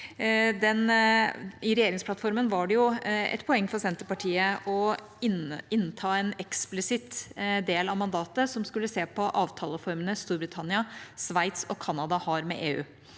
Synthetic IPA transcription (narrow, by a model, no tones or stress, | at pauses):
d̪ɛn | ɪɾɛjeːɾɪŋspʰlɑt̪fɔɾmənʋɑɖɛjʊɛ̰t̪pʰɔɛŋːfɔɾsɛnt̪əpɑʈʰiːəɔ | ɪnːt̪ʰɑːɛnɛksplɪsɪt̪d̪eːlɑʋmɑnd̪ɑːt̪əsɔmskʉlːəseːpʰɔʔɑːʋt̪ʰɑːləfɔɾmənəst̪uːɾbɾɪt̪ʰɑnɪɑsʋæɪt̪sɔkʰɑnːɑd̪ɑhɑɾmɛ̰ʔeːʉ̰ː